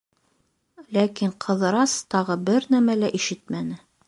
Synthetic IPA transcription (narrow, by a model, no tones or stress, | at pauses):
lækiɴqʰɤ̆ðɾɑst̪ɑʁɤbɘɾnæmælæʔiʃɘt̪mænɘ